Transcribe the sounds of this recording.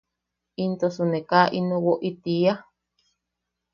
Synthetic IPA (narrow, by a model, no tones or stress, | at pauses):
int̪osunekaʔinõwoʔit̪ia